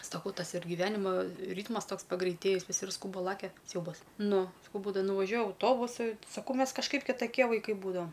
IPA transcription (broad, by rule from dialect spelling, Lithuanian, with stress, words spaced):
sɐˈkɐʊ ˈtɐs ɪr ɡʲɪˈʋʲæːnʲɪmoː ˈrʲiːtmɐs ˈtoːks pɐɡrʲɛɪtʲeːˈjɪs ʋʲɪˈsʲɪ ɪr ˈskuːbɐ ˈlˠɑːkʲɛ ˈsʲɛʊbɐs ˈnʊ sɐˈkɐʊ ˈbuːdɐʋɐ nʊʋɐˈʒʲuɔjɛ ɐʊˈtoːbʊsɐɪ sɐˈkɐʊ ˈmʲɛs kɐʃˈkɐɪp kʲɪtɐˈkʲiɛ ʋɐɪˈkɐɪ ˈbuːdɐʋɐm